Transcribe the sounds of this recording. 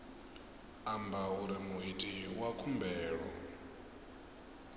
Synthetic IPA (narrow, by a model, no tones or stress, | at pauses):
ambauɾimuitʼiwakʰumbʱɛːɺɔ̰